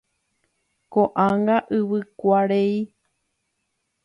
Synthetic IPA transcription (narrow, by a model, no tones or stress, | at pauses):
koʔãŋɡaʔɨβɨkʷaɾei